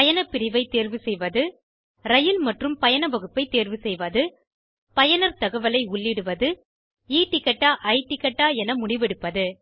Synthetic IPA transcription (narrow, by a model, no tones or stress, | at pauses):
pɐjɐnɐpːɪɾɪʋɐɪt̪ːeːɾʋɯsɛjʋɐðɯ | ɾɐjɪlmɐʈrɯmpɐjɐnɐʋɐɣɯpːɐɪt̪ːeːɾʋɯsɛjʋɐðɯ | pɐjɐnɐɾt̪ɐɣɐʋɐlɐɪʊɭːɪɽɯʋɐðɯ | iːʈːɪkːɐʈːaːʔɐɪʈːɪkːɐʈːaːɛnɐmʊɽɪʋɛɽɯpːɐðɯ